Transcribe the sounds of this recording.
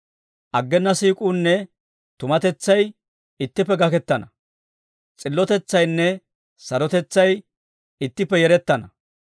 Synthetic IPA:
ʔɐɡːɛnːɐsiːkʼuːnːɛ | t̪ʊmɐt̪ɛt͡sːɐj | ɪt̪ːɪpːɛɡɐkɛt̪ːɐnɐ | t͡sʼɪlːɔt̪ɛt͡sːɐjnːɛ | sɐɾɔt̪ɛt͡sːɐj | ɪt̪ːɪpːɛjɛɾɛt̪ːɐnɐ

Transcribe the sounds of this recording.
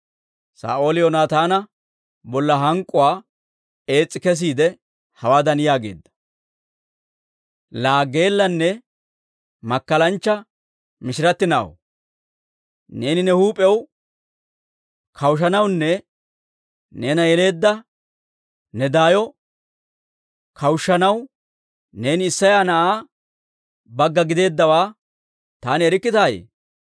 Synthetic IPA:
sa̰ːʔo̞ːlɪjonaːt̪aːnɐ | bɔlːɐɦɐŋkʼːʊwaː | e̞ːt͡sʼːɪkɛs̬iːd̪ɛ | hɐwaːd̪ɐnɪjaːɡe̞̰ːd̪ːɐ̥ | laːɡːe̞ːlːɐnːɛ | mɐkːɐlɐnt͡ʃːɐ | mɪʃɪɾɐt̪ːɪna̰ːw | ne̞ːnɪnɛhuːpʼɛw | kʰɐwʃ̬ɐnɐwnːɛ | ne̞ːnɐjɛle̞ːd̪ːɐ | nɛd̪aːjɔ | kʰɐwʃːɐnɐw | ne̞ːnɪɪsːɐjaːnɐʔaː | bɐɡːɐɡɪd̪e̞ːd̪ːɐwaː | t̪aːnɪɛɾɪkːɪt̪aːj̰

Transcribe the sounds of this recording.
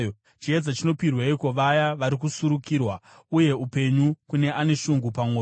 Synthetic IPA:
t͡ʃied͡zat͡ʃino̞pirweiko̞ʋajaʋaɾikusuɾukiːrwa | uje̞upe̞ɲukune̞ʔane̞ʃuŋɡupamo

